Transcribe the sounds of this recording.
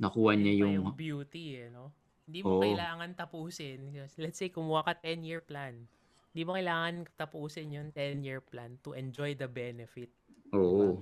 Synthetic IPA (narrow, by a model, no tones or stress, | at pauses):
nɐkuːhɐɲɐjʊŋbjuːt̪iɐno̞ | hɪnd̪iːmokɐɪlaːŋɐnt̪ɐpuːsɪnklɛt̪sejkʊmmuhakɐt̪ɛnjiɹplan | ɪnd̪imokɐɪlaːŋɐnt̪ɐpuːsɪnjʊnt̪ɛnjiɹplant̪ʊʔɛnd͡ʒojd̪ɐbɛnɛfɪt̪̚ʔoːʔo